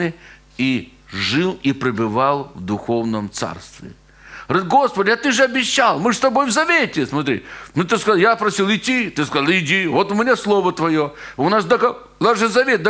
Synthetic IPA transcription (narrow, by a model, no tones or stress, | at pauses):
ɨ | i | ʐɨlˠipɾʲɪbɨvalˠvd̪ʊxo̞vnəmt̪sa̰rst̪vʲɪ̰ | rɨt̪ɡo̞spədʲɪɐt̪ɨʐɨɐbʲɪɕːalˠmɨst̪ɐbo̞jvzɐʋʲetʲɪsmɐt̪ɾʲḭnʊt̪ɨskɐjapɾɐsʲilˠɪt̪ʲit̪ɨskɐzalˠɪdʲivot̪ʊmʲɪnʲeslˠovət̪ʋɐjoʊnasd̪ɐkɐ | naʐɨzɐʋʲet̪̚d̪ɐ